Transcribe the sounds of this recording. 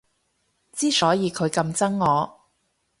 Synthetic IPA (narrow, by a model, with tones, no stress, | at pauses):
t͡siː˥sɔː˨˥jiː˨˧kʰɵ˨˧ɥkɐ˧mt͡sɐ˥ŋːɔː˨˧